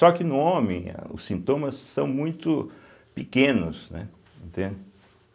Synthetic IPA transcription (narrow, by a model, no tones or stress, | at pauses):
sɔkɪnʊõmẽj̃ɐ̰ʊ̰sĩnt̪õmɐsːɐ̃w̃mũj̃t̪ʊ | pɪkẽnʊsnɛ̰ | ẽnt̪ẽnd̪ɪ